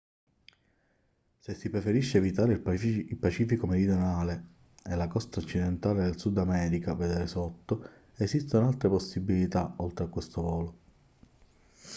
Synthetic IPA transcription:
sesːipɾefeɾiʃːeːvit̪aːɾeilpat͡ʃiːfikomeɾid̪jonaːle | elakɔst̪aot͡ʃːid̪ent̪aːled̪elsud̪amɛːɾikaved̪eːɾesot̪ːo | esist̪onalt̪ɾeposːibːilit̪aolt̪ɾeakːwest̪ovɔːlo

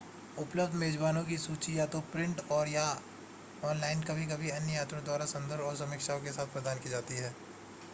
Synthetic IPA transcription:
ʊpləbd̪meːd͡ʒbaːnõk̬isuːt͡ʃijaːt̪opɾɪ̃ɳʈɔːɾja | ɔːnlaːɪnɖkabʱik̬ɐbʱiɐnjəjaːt̪ɾõd̪waːɾasɐ̃nd̪əɾbɔːɾs̬ɐmɪkʃaːõkesaːt̪̚ʰpɾɐd̪aːnkid͡ʒaːt̪iɦɛː

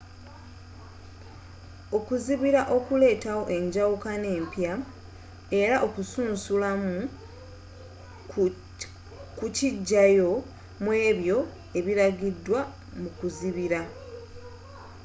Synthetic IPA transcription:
o̞kuziβiɾaʔo̞kule̞ːtawo̞ʔe̞ɲɟawukane̞ːmpja | e̞ɾaʔo̞kusuːnsulamu | kuciɟːajo̞ | mwe̞ːβjo̞ | e̞βiɾaɡidːwa | mukuziβiɾa

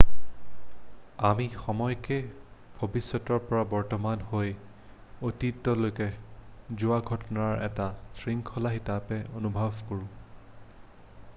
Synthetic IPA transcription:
amixɔmɔjkebʱobisːɔtɔɹpɔɹabɔɹtɔmanhoj | otitːɔlojkɛzʊwaɡʱɔtɔnaɹɛ̰tasɹiŋkʰɔlaxitapɛonubʱabkoɹʊ̃

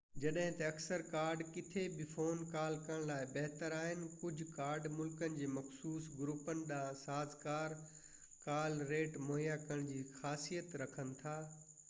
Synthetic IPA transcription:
d͡ʑɐɗɦɪ̃t̪ɐɐksəɾkaːɾɖkɪt̪ʰebɪfoːnkaːlkɐəɽ̃laːɪbɐɦt̪əɾaːɦɪnɪ̆kʊd͡ʑʱʊkaːɾɖmʊlkənɪ̆d͡ʑeːmɐxsuːsɡɾuːpənɪ̆ɗãːsaːzkaːɾ | kaːlɾeːʈmoːɦjakɐɽ̃d͡ʑiːxaːsijət̪ɾɐkʰənɪ̆t̪ʰaː

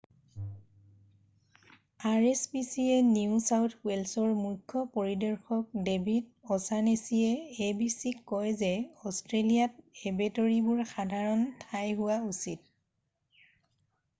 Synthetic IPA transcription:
aɹespisieniʊsawtʰwɛlsɔɹmukʰːɔpɔɹidɔɹxɔk̚debʱidɔsanesiɛːbisikːɔjzɛɔstɹelijat̚ebetɔɹibʊɹxadʱaɹɔntʰajɦʊwausit̚

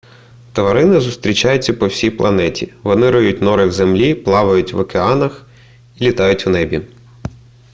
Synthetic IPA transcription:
t̪ɔʋɐɾɪnɪzʊst̪ɾʲit͡ʃɑjʊt͡sʲːɐpɔwsʲijplˠɐ̰nɛtʲiʋɔnɪɾɔjutʲnɔɾɪwzemlʲiplˠɑʋɐjʊtʲʋɐkeɑnɐx | ilʲit̪ɑjʊtʲwnɛbʲi

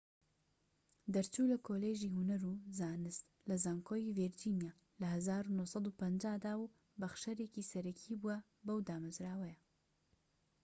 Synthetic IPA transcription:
d̪ɐɾt͡ʃulɐkʰoːleːʒiːhunɐɾuzaːnɨst̪ | lɐzaːŋkʰoːjiviɾd͡ʒinjaː | lɐɦɐzaːɾunohsˤɑd̪upɐnd͡ʒaːd̪aːwu | bɐχʃɐɾeːkisɐɾɐkʰibuɐ | bɐwd̪aːmɐzɾaːwɐjɐ

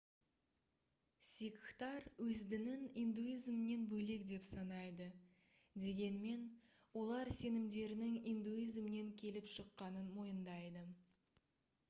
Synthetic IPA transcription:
sʲikːt̪ɑɾwɵzd̪ɪnɪnind̪uizmne̞nbɵle̞kd̪e̞psɑnɑjd̪ə | d̪e̞ɡʲe̞nme̞n | wo̞lˠɑɾse̞nɪmd̪e̞ɾɪnɪŋind̪uizmɪne̞ŋkʲʰe̞lɪpʃəqːɑnənmo̞jənd̪ɑjd̪ə

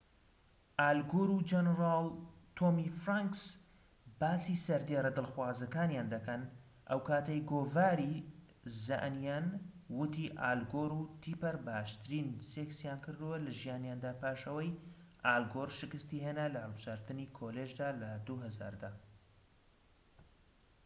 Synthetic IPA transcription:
ʔaːlɡoɾud͡ʒɛnɾaːlt̪ʰoːmifɾaŋks | baːsisɐɾd̪eɾɐd̪ɨlˠxwaːzɐkaːnjaːnd̪ɐkɐn | ʔɐ̰wkaːt̪ɐjɡoːvaːɾi | za̰ʔnjanwʊt̪ʰiʔaːlɡoːɾut̪ʰipɐɾbaːʃt̪ɨɾiːnseksjaːnkɨɾd̪ɨwɐlɐʒijaːnjaːnd̪aːpʰaːʃɐwɐjʔaːlɡoɾʃɨkɨst̪iɦeːnalɐhɐlˠbɨʒaːɾt̪ɨnikʰoːleʒd̪aːlɐd̪uɦɐza̰ːɾd̪aː

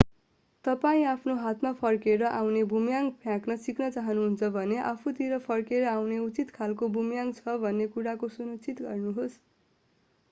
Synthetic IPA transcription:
t̪ʌpaĩapʰnoɦat̪mapʰʌrkeɾʌʔawnebʱumjaŋpʰjãknʌsiknʌt͡saɦʌnuɦunt͡sʰʌbʱʌneʔapʰut̪iɾʌpʰʌrkeɾʌawneut͡sit̪kʰalkobʱumjaŋt͡sʰʌbʱʌnːekuɾakosunut͡sit̪ɡʌrnuɦos

